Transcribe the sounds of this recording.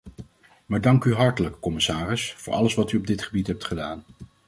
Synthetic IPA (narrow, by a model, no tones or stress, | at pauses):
maːɹdɑŋkyɦɑɹtələkːɔmɪsaːrɪsfʊːɹɑ̰ləsʋɑtyɔb̚dɪtχəbitɦɛp̚tχədaːn